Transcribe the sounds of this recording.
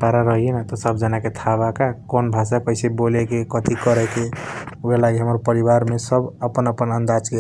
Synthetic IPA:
paɾaɾəɦijenat̪ɔsəbd͡ʒanaket̪ʰabakakonbʱasakəɪsebolekekət̪ikəɾɛkebelaɡiɦəməɾpəɾibaɾmesəbəpənəpənə̃nd̪ad͡ʒke

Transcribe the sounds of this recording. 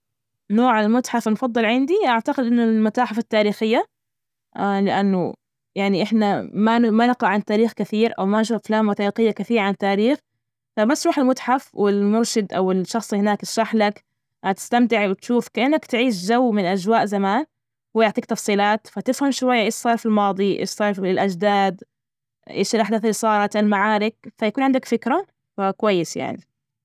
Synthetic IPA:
noːʕalmʊt̪ħafnfɑd̪ˤːɨlʕɪnd̪iʔaʕt̪aqɪd̪ʔɪnːʊlmʊt̪aːħafat̪ːaːɾiːxɪjːa | ʔalɪʔanːʊ̰ | jaʕniʔɪħnamamanɪqɑʕant̪aːɾiːxkɪθiːɾʔa̰wmanʃuːfaflaːmmʊt̪aːiːxɪjːakɪθiːɾʕant̪aːɾiːx | famasɾuːħalmʊt̪ħafwɪlmʊɾʃɪd̪ʔa̰wɪʃːɑxsˤhɪnaːkʃaħlak | ʔat̪ɪ̥st̪amt̪ɪʕwɪt̪ʃuːfkaʔɪnːakt̪ʕiːʃʒawːmɪnʔad͡ʒwaːʔzamaːn | hːjʊʕt̪ˤiːk̚t̪ɑfsˤiːlɑːt̪fat̪ɪfhamʃʊwajːaʔeːʃsˤɑːɾˤfilmɑːd̪ˤiʔɪ̰ːʃsˤɑːɾˤfɪlʔad͡ʒd̪aːd̪ | ʔḛːʃɪlʔaħd̪aθalːisˤɑːɾˤɑt̪ɪlmaʕaːɾɪk̚fajakuːnʕɪnd̪akfɪkɾa | fakwajːɪsja̰ʕni

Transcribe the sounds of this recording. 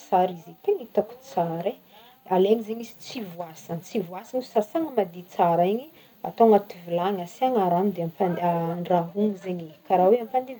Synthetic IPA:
saɾizit̪eɲit̪aku̥t͡saɾe | aleaɲizeɲisi̥t͡sivuasant͡sivuasanissasaŋəmad̪it͡saɾaiɲi | a̰t̪oŋat̪ivulaŋasaŋaɾanud̪eampaaɳɖ͡ʐaɦuŋizeɲikaɾaweampand̪iv

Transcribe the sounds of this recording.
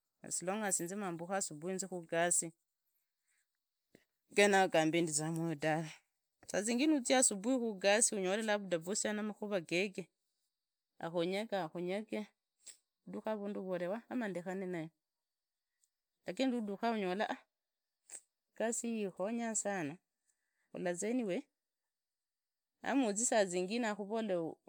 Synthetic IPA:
a̰siloŋɡasiːnzimaːmbuxasubuinzixuɡasi | ɡenaɡambindit͡samojodaβe | sat͡siːŋɡinut͡siasubuixuɡasiuɲolelaβudavusanamaxuβaɡeɡe | a̰xoɲekaxoɲeke | uduxaβunduβolewaːmandexanenajo | dakenduduxauɲolaʔa | ɡ̥asijixoɲasano | ṵlazeniwe | a̰mut͡sisaziːŋɡinaxuβole

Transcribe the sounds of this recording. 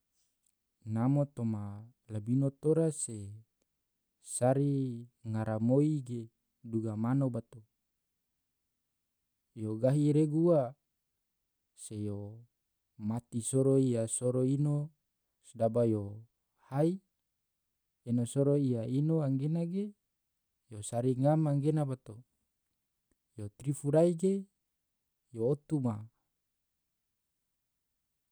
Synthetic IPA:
namot̪oma | labinot̪oɾase | saɾiŋaɾamoiɡe | duɡamanobat̪o | joɡaɦiɾeɡua | sejo | mat̪isoɾoijasoɾoino | sdabajo | hai | inosoɾoijainoaŋɡenaɡe | josaɾiŋamaŋɡenabat̪o | jot̪ɾifuɾaiɡe | joːt̪uma

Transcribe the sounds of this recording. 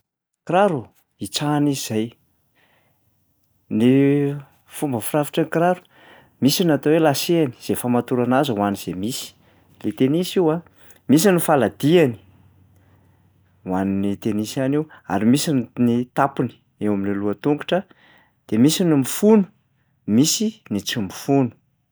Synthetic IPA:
kɾaɾu | it͡saniz̥aj | ni | fumbəfirafi̥ʈ͡ʂanikɾaɾu̥ | misinat̪awelaseani̥z̥efamat̪uɾanazauwaniz̥emisi̥ | let̪enisiwa | mis̬inifalad̪iani̥ | waninit̪enisanewa̰ɾimisinnit̪apini̥ | ewaminiluət̪uŋɡu̥ʈ͡ʂə | d̪̥emisinimifunu̥ | misinit͡simifunu̥

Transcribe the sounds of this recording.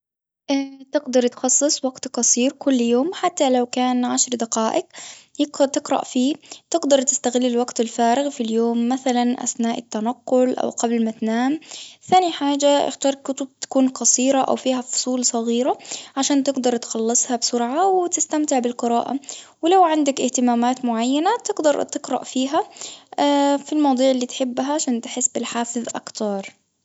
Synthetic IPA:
ʔɪt̪ɪɡd̪ɑɾˤt̪xɑsˤːɨsˤwaɡt̪qɑsˤiːɾkʊlːjoːmħat̪ːalawkaːnʕaʃɾˤd̪aqaːʔɪqjɪqt̪ɪqɾa̰ʔfiːt̪ɪɡd̪ɑɾˤt̪ɪ̥st̪aɣɪlːɪlwaɡt̪ɪlfaːɾɪɣfiljoːmːaθalanʔa̰θnaːʔɪt̪ːanɑqːʊlʔa̰wqablmat̪naːmθaːniħaːd͡ʒaʔɪ̰xt̪ɑːɾˤkʊt̪ʊb̚t̪ḁkuːnqɑsˤiːɾaʔa̰wfiːɦafʊ̥sˤuːlsˤɑɣiːɾaʕaʃaːnt̪ɪɡd̪ɑɾˤt̪xɑlːɨsˤhɑbsʊɾʕawɪt̪ɪst̪amt̪ɪʕbɪlqɨɾa̰ːʔa̰wɪlawʕɪnd̪akʔɪht̪ɪmaːmaːt̪mʊʕajːanat̪ɪɡd̪ɑɾˤt̪ɪqɾɑ̰ʔfiːɦaafilmɑwd̪ˤuːʕɪlːiːt̪ħɪbːɦaʕaʃaːnt̪ɪħɪsːbɪlħaːfɪðˤʔa̰kt̪ɑɾˤ

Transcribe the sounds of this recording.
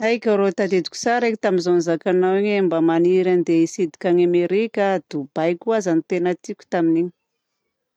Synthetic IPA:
ajkʲəɾot̪ad̪ed̪i̥kʲu̥saɾekit̪aminzonizakanaweɲembəmaniɾand̪eisid̪i̥kʲaɲameɾikʲəd̪ub̥ajkʲuazanit̪enət̪ikʲu̥t̪aminiɲi̥

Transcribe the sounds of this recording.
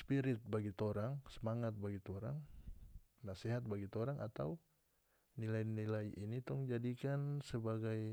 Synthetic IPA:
spiɾɪt̪̚baɡit̪oɾaŋsəmaŋat̪̚baɡit̪oɾaŋ | naseɦat̪̚baɡit̪oɾaŋʔa̰t̪aw | nilajnilajʔinit̪ʊŋd͡ʒadikansəbaɡaj

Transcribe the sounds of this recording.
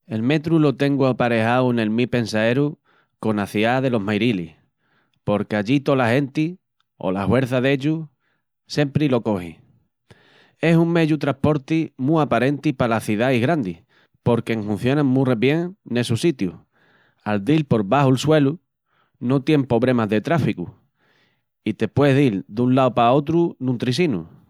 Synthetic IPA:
e̞lme̞t̪ɾulo̞t̪e̞ŋɡuapaɾe̞hawne̞lmipe̞nsae̞ɾu | ko̞naθiaðe̞lo̞ɦmajɾilḭ | po̞ɾke̞aʎit̪o̞lahe̞nt̪i | o̞̰lahwe̞ɾθaðe̞ʎu | se̞mpɾilo̞ko̞hḭ | e̞suŋme̞ʝut̪ɾahpo̞ɾt̪imũapaɾe̞nt̪ipalaθiðaiɣɾand̪i | po̞ɾkeŋɦũn̟θjo̞nãŋmːũreβje̞ŋne̞susit̪ju | ald̪ilpo̞ɾβaɦuelswe̞lu | no̞t̪je̞mpo̞βɾe̞mazðe̞t̪ɾafiku | it̪e̞pwe̞ðild̪unlaopao̞t̪ɾunũnt̪ɾis̬inṵ

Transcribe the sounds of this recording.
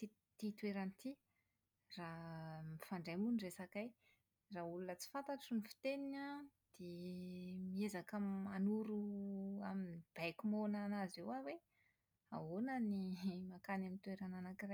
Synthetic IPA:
t̪i | t̪it̪ueɾanit̪i | ramifaɳɖ͡ʐamunresakaj | raulunət͡si̥fant̪aʈ͡ʂunifi̥t̪eninad̪̥e | miezakamanuɾuaminib̥ajkʲumonanazewawe | a̰ɦonanimakanamint̪ueɾananakiraj

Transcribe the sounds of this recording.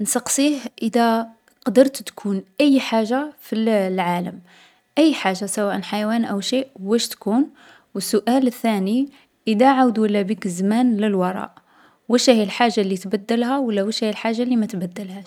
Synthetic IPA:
nsɑqsˤihʔəd̪æ | qɑd̪əɾˤt̪t̪kʰunʔəjːħaʒːafilʕaləm | ʔəjːħaʒːasæwæʔənħajwænʔæwʃeʔwæʃt̪kun | wəsːʊʔæləθːæni | ʔəd̪æʕawd̪wəlːæbikzmænləlwɑɾˤɑ̰ʔ | wæʃæhlħaʒːalːit̪bæd̪ːəlhæwəlːæwæʃæjlħaʒːalːimæt̪bæd̪ːəlhæʃ

